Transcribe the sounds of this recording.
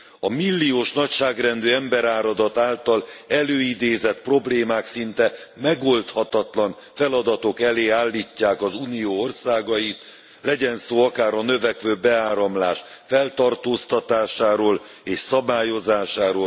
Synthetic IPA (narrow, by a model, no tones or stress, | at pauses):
ɒmilːioːʃnɒcʃaːɡrɛnd̪øːɛmbɛɾaːɾɒd̪ɒt̪aːlt̪ɒlɛløːid̪eːzɛt̪̚pro̞bleːmaːksint̪ɛmɛɡo̞lt̪hɒt̪ɒt̪lɒn | fɛlɒd̪ɒt̪o̞kɛleːaːlːiːcːaːkɒzuːnioːorsaːɡɒjit̪ | lɛɟɛnsoːɒkaːɾɒnøvɛkʋøːbɛaːɾɒmlaːʃfɛlt̪ɒrt̪oːst̪ɒt̪aːʃaːɾoːl | eːʃsɒbaːjo̞zaːʃaːɾoː